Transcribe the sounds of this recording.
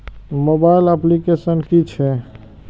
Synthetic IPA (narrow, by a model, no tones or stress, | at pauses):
moːbaɪləplikesənkit͡ʃʰɛ